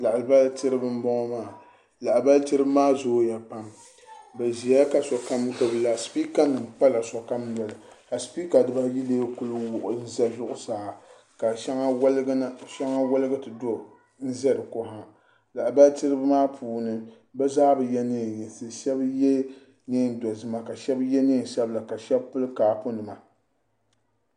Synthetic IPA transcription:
la˨ʔa˨ba˦ltɨ˦ɾɨ˦bɨ˦m̩˦bɔ˦ŋɔ˦maː˦˨ | la˨ʔba˦ltɨ˦ɾɨ˦bmaː˦zoː˦ja˨pa˦m | ba˨zi˨˦a˦ka˨sɔ˨ka˦m˦ko˦bla˨spiː˦ka˦nɨ˨ŋk͡pa˦la˨sɔ˨ka˦mdɛ˨lɨ˨ | a˨spi˦ka˨dɨ˨ba˦ji˦leː˦kʊ˦lʊ˦wʊ˨ʔʊ˨n̩˦zɛ˦zʊ˦ʔʊ˨saː˨ | ka˨˦ŋ˦ʃa˦ŋa˦wʊ˦lɨ˦ɡɨ˦tɨ˨do˨ | n̩˦zɛ˦ɾɨ˨kʊ˨ɦa˨ | la˨ʔba˦tɨ˦ɾɨ˦bɨ˦maː˦pʰuː˨nɨ˦ | ba˦zaː˦bɨ˨jɛ˦neː˦˨jsɨ˨ʃɛ˦bjɛ˦ | neː˦˨n˦dɔ˨zɨ˦ma˨ka˨ʃɛ˦bjɛ˦neː˦˨ʃɛ˦bla˨ka˨ʃɛ˦bpɨ˦lɨ˦kaː˨pʊ˦nɨ˨ma˨

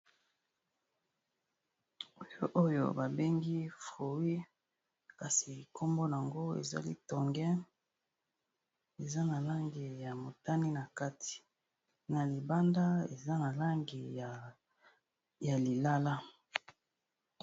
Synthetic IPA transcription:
o˦jo˦ʔo˦jo̰˨ba˨be˦ŋɡi˦fo˨wi˦ | ka˨si˨ko˦mbo˦n˨a˨ŋɡo˦ḛ˨za̰˨lḭ˦tɔ˨ŋɡɛ˦n | e˨za˦na˨la˦ŋɡi˨ja˨mo˨ta˦ni˦na˨ka˦tʰi̥˨ | na˨li˨ba˦nda˦e˨za˦na˨la˦ŋɡi˨ | ja˨li˨la˦la˦

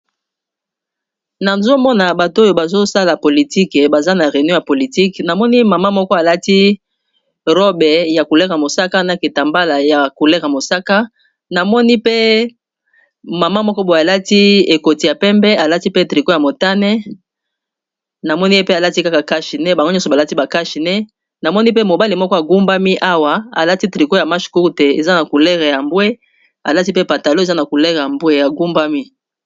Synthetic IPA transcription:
na˨nzo˦mɔ˦na˨ba˨to˦o˦jo˨ba˨zo˦sa˦la˨po˨li˨ti˦kɛ˨ba˨za˦na˨ʁe˨njɔ̃˦ja˨po˨li˨ti˦kna˨mɔ˦ni˦ma˨ma˦mɔ˦kɔ˦a˨la˦ti˦ | ʁɔ˦bɛ˨ja˨ku˨lɛ˦ʁa˨mo˨sa˦ka˦na˨ke˨ta˨mba˦la˨ja˨ku˨lɛ˦ʁa˨mo˨sa˦ka˦ | na˨mɔ˦ni˦pe˦ | ma˨ma˦mɔ˦kɔ˦bo˨ja˨la˦ti˦e˨ko˨ti˨ja˨pɛ˦mbɛ˦a˨la˦ti˦pe˦tʁi˨ko˦ja˨mo˨ta˦nɛ˦ | na˨mɔ˦ni˦je˦pe˦a˨la˦ti˦ka˦ka˨ka˦ʃi˨ne˦ba˨ŋɡo˦ɲɔ˦sɔ˨ba˨la˦ti˦ba˨ka˦ʃi˨nɛ˦ | na˨mɔ˦ni˦pe˦mo˨ba˦li˨mɔ˦kɔ˦a˨ɡu˦mba˦mi˦ʔa˦wa˦a̰˨la˦ti˦tʁi˨ko˦ja˨ma˦ʃku˦ʁte˨e˨za˦na˨ku˨lɛ˦ʁe˨ja˨mbwe˦ | a̰˨la˦ti˦pe˦pa˨ta˨lo˦e˨za˦na˨ku˨lɛ˦ʁe˨ja˨mbwe˦ja˨ɡu˦mba˦mi˦

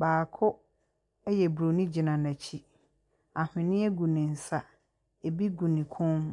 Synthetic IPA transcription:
baː˨kʰʊ˦ | jɛ˨bɾo˨nĩ˦d͡ʑi˨nã˨nã˨t͡ɕʰi˦ | a˨hɪ̃˨nɪ̃˦ɛ˦ɡũ˨nɪ̃˨n̩˨sa˨ | e˨bi˦ɡũ˨nĩ˨kʰʊ̃˦m˦

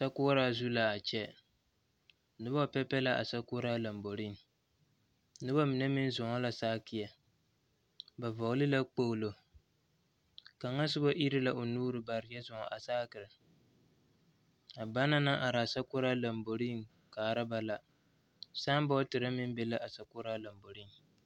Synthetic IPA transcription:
sa˦kʊ˦ɾa˦zu˦la˨a˨t͡ʃɛ˦ | nɨ˦ba˦˨pɛ˦pɛ˦la˦ʔa̰˨sa˦kʊ˦ɾa˦la˨mbo˨ɾiː˦˨ŋ | nɨ˦ba˦mɨ˨nɛ˦mɪ˦n˦zʊ˨ŋɔ˦la˨saː˦kɪ˨a˨ | ba˨vɔ˨˦lɨ˦la˦k͡po˦˨lo˨ | ka˨ŋa˦sɨ˦bɔ˦ʔi˦ɾɪ˦la˨ʔo˨nuː˦ɾɨ˨ba˨ɾɪ˨jɛ˦zʊ˨ŋɔ˨ʔa˨saː˦kɨ˨ɾɨ˨ | a˨ba˦na˦na˦ʔa˨ɾaː˨sa˦kʊ˦ɾa˦la˨mbo˨ɾi˦ŋ | kaː˨ɾa˦ba˨la˨ | saː˦m˦bɔ˦tɨ˨ɾa˦mɪ˦m˦bɛ˦la˦ʔa˨sa˨kʊ˦ɾa˦la˨mbo˨ɾi˦ŋ

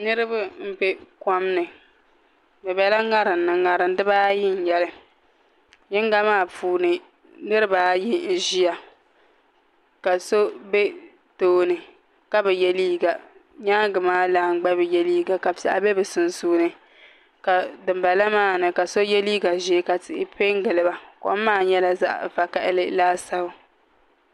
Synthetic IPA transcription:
nɨ˦ɾɨ˦bɨ˦m̩˦pe˦kɔ˦mnɨ˨ | bɛ˨bɛ˨la˦ŋa˦ɾɨ˨nːɨ˨ŋa˨ɾɨ˨n˦dɨ˦baː˦jɪ˦n̩˨˦jɛ˦lɨ˦ | jɛ˦ŋ˦ɡa˦maː˦˨puː˦nɨ˨ | nɨ˦ɾɨ˦baː˦ji˦n̩˦ʒi˦ja˨ | ka˨so˦be˦ | toː˦nɨ˨ | ka˦bɛ˨jɛ˦liː˦ɡa˨ | ɲaː˦ɡɨ˨maː˦laː˨ŋ˦ɡ͡ba˦bɛ˨jɛ˦liː˦ɡa˨ka˨pi˨a˦˨ʔa̰˦bɛ˦bɨ˨sɨ˨nsuː˦nɨ˨ | ka˨dɨ˨mba˨la˦maː˦˨nɨ˨ka˨so˦jɛ˦liː˦ɡa˨ʒe˦ka˨tɪ˨ʔɪ̰˦pe˦ŋ˦ɡɨ˨lɨ˦ba˨ko̰˨˦maː˦˨ɲɛ˦la˦za̰˦ʔfa˨ka˨ʔɪ˦lɨ˦laː˦sa˦ʊ˦

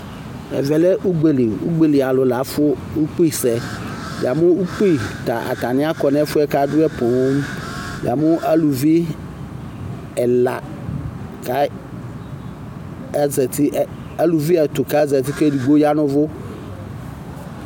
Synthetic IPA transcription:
ɛ̰˨vɛ˨lɛ˦ʔu˦ɡ͡be˦lɪ˨ṵ˦ɡ͡be˦˨lɪ˨a˨lʊ˨˦la˨˦fʊ˦ | u˦k͡pu˦i˦˨sɛ˨ | ja˨mʊ̃˦u˦k͡pu˦i˨t̪a˨ʔa̰˨t̪a˨nɪ̃˦a˦kɔ˨nɛ˦fʊ˦ɛ˦ka˨˦d̪ʊ˦ɛ˦pʊ̃˨˦mja˨mʊ̃˦ʔa˦lu˨vi˦ | ɛ˨la˨ | ka˦ | zɛ˨t̪ɪ˦ | a˦lu˨vi˦ɛ˨t̪ʊ˨ka˦zɛ˨t̪ɪ˦kɛ˦di˨ɡ͡bo˦ja˦nʊ̃˦vʊ˦

